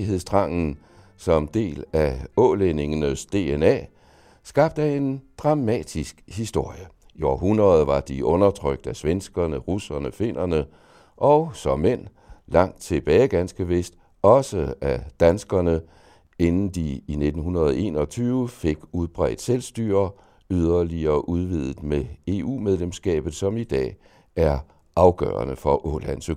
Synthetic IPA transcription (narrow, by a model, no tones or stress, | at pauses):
ɦe̝ð̰ˠsd̥ʰʁɑ̈ŋ̰n̩ | sɒ̽md̥e̝̰ːlæɔ̽ːlene̝ŋnəsd̥e̝ːenɛ̰ː | sɡ̥ɑ̈b̥̚d̥æe̝nd̥ʁɑ̈mɛ̰ːd̥isɡ̥hisd̥o̝ɐ̰jə | iɒ̰ːɦunʁɐð̩ˠʋɑ̈d̥iʔɔ̽nɐt͡sʰʁœɡ̥̚d̥æsʋensɡ̥ɐnəʁusɐnəfe̝n̰ʔɐnə | ʔɒʊsɒ̽mːen̰ | lɑ̈ŋ̰d̥̚t͡sʰe̝b̥ɛːɪɡ̥ænsɡ̥əʋe̝sd̥ | ɒ̽səæd̥ænsɡ̥ɐnə | e̝nn̩d̥iine̝d̥n̩hɦunɐð̞ˠʔe̝̰ːnɒ̽t͡sʰyːʊəfe̝ɡ̥uð̞ˠb̥ʁɛ̰ːd̥selsd̥y̰ːɐ | yðˠɐliɐʔuð̞ˠʋið̞ˠð̩ˠmee̝ːṵːmeð̞ˠlemsɡ̥ɛ̰ːb̥ð̩ˠsɒ̽mid̥ɛ̰ː | æɐ | ʔɑ̈ʊɡ̥œ̰ːɐnəfɒ̽ʔɔlænsø